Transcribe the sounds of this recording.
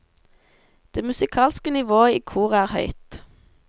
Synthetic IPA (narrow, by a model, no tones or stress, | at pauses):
d̪̥eːmʉsɪkʰɑːlskənɪʋoːəiːkʰuːʁəæːʁhœ̰ʏt̪